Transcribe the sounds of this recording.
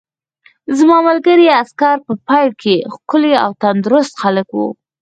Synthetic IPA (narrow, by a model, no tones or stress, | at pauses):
zmɑmalɡəɾiaskaɾpəpɑjlkʰexkʊlea̰wt̪and̪ɾʊst̪xaləkwṵ